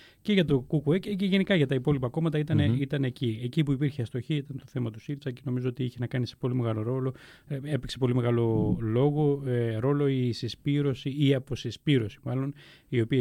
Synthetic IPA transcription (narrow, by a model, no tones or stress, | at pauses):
ce̞ʝɐt̪okukuececeʝe̞nikɐʝɐt̪ɐipo̞lipɐko̞mɐt̪ɐit̪ɐneit̪ɐneciecipuipiɾçeɐst̪o̞çiit̪ɐnt̪o̞θe̞mɐt̪u̥silfsɐceno̞mizoot̪iiçenɐkɐnisepo̞lime̞ɣɐlo̞ɾo̞lo̞ | e̞pekse̞po̞lime̞ɣɐlo̞lo̞ɣoeɾo̞lo̞isespiɾo̞siiɐpo̞sespiɾo̞si̥mɐlo̞n | io̞piɐ